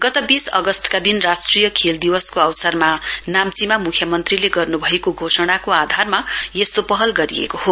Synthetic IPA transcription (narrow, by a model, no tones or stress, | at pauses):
ɡʌt̪ʌbisʌ̰ɡʌst̪kad̪inrasʈrijʌkʰeld̪iwʌskoʌwsʌrmanamt͡simamukʰjʌmʌnt̪rileɡʌrnubʱʌekoɡʱosʌɽ̃akoad̪ʱarmajest̪opʌɦʌlɡʌɾiḛkoho